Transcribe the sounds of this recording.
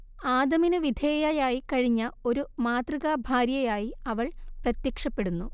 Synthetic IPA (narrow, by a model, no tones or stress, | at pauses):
aːd̪ɐminɨʋid̪ʱeːjɐjaːjikɐɻiɲːɐo̞ɾumaːt̪rɨɣabʱaːɾjɐjaːjiɐʋɐɭprɐt̪jɐkʂɐpːe̞ɽunːu